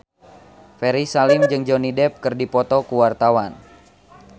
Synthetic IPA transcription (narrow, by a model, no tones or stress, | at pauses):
fɛɾisalimd͡ʒɨŋd͡ʒonidɛp̚kɨrdipɔt̪ɔkuwart̪awan